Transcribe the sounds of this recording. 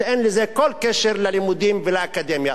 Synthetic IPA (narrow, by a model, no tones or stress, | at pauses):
ʔenlɪzekolːkeʃeɾlalɪmud̪imvɪlaakad̪emja